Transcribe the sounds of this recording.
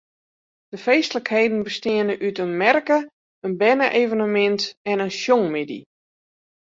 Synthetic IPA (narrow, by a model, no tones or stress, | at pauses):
d̥əfejstələkhejdən̩bəstɪənəʔytənmɛrkə | ənbɛnəʔeːvənəmɛntɛnənsjoŋmedḭ